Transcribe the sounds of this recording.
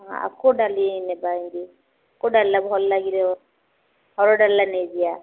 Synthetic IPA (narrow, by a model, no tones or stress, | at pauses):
a̰a̰kʊdalɪnɛbaindi | kʊdallabʊhɔllakilɛ | hɔɾɔdallaned͡ʒia